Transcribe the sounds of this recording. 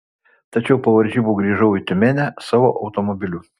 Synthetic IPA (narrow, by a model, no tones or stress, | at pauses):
t̪ɐt͡ʃʲɛʊpɐʋɐɾʲʒʲiːbuːɡɾʲiːʒɐʊit̪ʲʊmʲenʲæsɑːʋoʔɐʊt̪omobʲɪlʲuː